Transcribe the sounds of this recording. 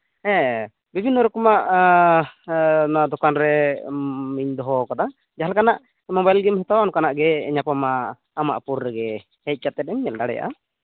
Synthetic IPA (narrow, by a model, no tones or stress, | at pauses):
ɛ̃ | bibʱinːɔɾɔkɔmaʔ | nad̪ɔkanɾɛ | miɲd̪ɔɦɔkad̪a | d͡ʒaɦalkanaʔ | mɔbajlɡimɦɛt̪awanɔkanaʔɡɛɲapamaː | ma̰ʔpuɾːɛɡɛ | hɛc̪̚kat̪ɛt̪̚ɛmɲɛlɖaɽɛ̰ja̰ʔa̰